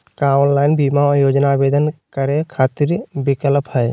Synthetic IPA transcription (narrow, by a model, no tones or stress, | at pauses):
kanlaɪnbimajoːd͡ʒnabed̪ənkəɾekʰat̪iɾbikələpɦəj